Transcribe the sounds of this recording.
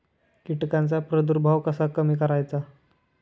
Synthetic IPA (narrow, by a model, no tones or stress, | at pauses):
kiʈkãnt͡sapɾəd̪uɾbʱaʋkəsakəmiːkəɾajt͡sa